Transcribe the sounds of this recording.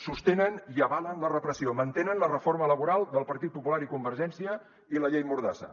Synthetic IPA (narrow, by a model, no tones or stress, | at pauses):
sust̪enəniəβalənlərəpɾəsiomənt̪enənlərəfoɾmələβuɾalˠd̪əlˠpəɾt̪it̪̚pupulaɾikumbəɾʒɛnsiə | iləʎejmuɾðasə̰